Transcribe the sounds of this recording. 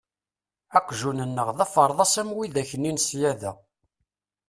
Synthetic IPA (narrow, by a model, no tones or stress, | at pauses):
æqʷːʒunənːəʁðæfəɾˤðˤɑsæmwiðæçənːinsjæðæ